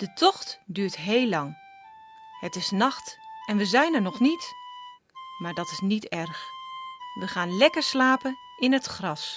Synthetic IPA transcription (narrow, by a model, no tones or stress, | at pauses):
d̥ətʰɔχtdyːɹtɦeːlːɑŋ | hətɪsnɑχtɛnʋəzɛjnəɹnɔχnit | maːɹdɑtɪsnitɛrx | ʋəχaːnlɛkəɹslaːpən | ʔɪnɦətχrɑs